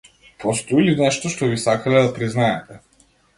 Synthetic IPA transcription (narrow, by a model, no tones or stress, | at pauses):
pɔst̪ɔilinɛʃt̪oʃt̪obisakalɛd̪apɾiznaɛt̪ɛ